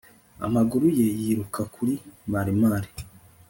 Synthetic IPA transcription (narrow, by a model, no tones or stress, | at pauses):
a̰maɡuɾuje̞jiɾukʰakʰuɾimaɾimaːɾi